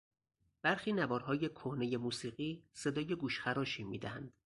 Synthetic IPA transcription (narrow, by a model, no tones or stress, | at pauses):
b̥æɾxiːnævɒːɾɦɒːje̞kʰohne̞je̞muːsiːɢiːse̞d̪ɒːje̞ɡuːʃxæɾɒːʃiːmiːd̪æhænd̪̥